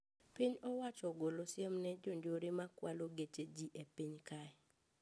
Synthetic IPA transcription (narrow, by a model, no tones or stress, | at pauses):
piɲɔwat͡ʃɔɡolosjemnɛd͡ʒoɲd͡ʒoɾimakwaloɡet͡ʃed͡ʒiʔepiɲkaɛ